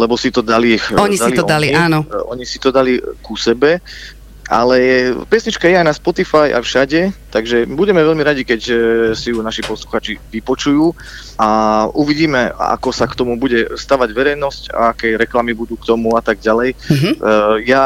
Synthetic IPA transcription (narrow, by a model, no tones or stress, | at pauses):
lɛbɔsit̪ɔd̪alixɔɲid̪aliɔd̪aliɲiːnɔɔ̰ɲisit̪ɔd̪alikusɛbɛ | ʔa̰lɛpjɛsɲit͡ʃkajɛajnaspɔt̪ifaja̰fʃaɟɛt̪aɡʒɛbuɟɛmɛʋɛʎmiɾaɟikɛcsijunaʃipɔsluxaːt͡ʃiʋipɔt͡ʃujuː | ʔauʋiɟiːmɛa̰kɔsakt̪ɔmubuɟɛst̪aːʋaɟʋɛɾɛjnɔsca̰akɛjɾɛklamibud̪uːkt̪ɔmuat̪aɡ̚ɟalɛjɦja